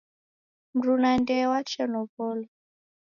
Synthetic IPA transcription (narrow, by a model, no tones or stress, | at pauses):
m̩ɾunandɛwat͡ʃʰɛnɔpɔlɔ